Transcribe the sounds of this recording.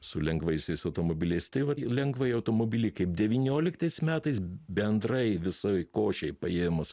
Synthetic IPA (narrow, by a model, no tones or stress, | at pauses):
sʊlʲɛŋɡʋɐɪsʲɛɪsɐʊt̪oːmoːbʲɪlʲɛɪst̪ɐɪʋɐlʲɛŋɡʋɐɪɐʊt̪oːmoːbʲɪlʲɪkɐɪp̚d̪ʲɛʋʲiːnʲoːlʲɪkt̪ɐɪsmʲæːt̪ɐɪsbʲɛnd̪ɾɐɪʋʲɪsoːɪkoːʃʲɛɪpɐeːmʊs